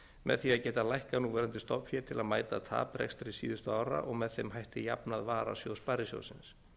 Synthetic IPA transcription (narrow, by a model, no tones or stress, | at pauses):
mɛ̰ðθiaðcɛːt̪alajhkanuːvɛːɾant̪ɪst̪ɔpfjɛ̥t̪ʰɪlaðmaːjt̪at̪ʰa̰ːpɾɛ̰kst̪ɾɪsiːðʏst̪ʏaːwɾa̰ʔɔɣmɛðθejmɦajht̪ɪja̰pnaðvaːɾa̰sjowspaɾɪsjo̰wsɪns